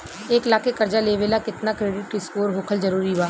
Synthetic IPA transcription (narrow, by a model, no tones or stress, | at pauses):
eːklaːkekɐɾd͡ʒaleːʋeːlakɪt̪nakɾeːɖɪʈɪskoːɾɦoːkʰəlzɐɾuːɾiʋaː